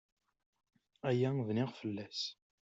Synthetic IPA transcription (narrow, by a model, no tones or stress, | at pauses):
æjævnɪʁfəlːæs